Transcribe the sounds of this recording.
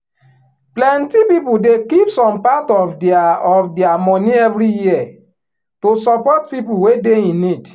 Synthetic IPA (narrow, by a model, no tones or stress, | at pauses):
plɛ̃ntipipudekipsɔ̃mpatɔfdaɔfdɛamɔ̃niɛvɾiji | tosɔpɔt̚pipuwedeĩnid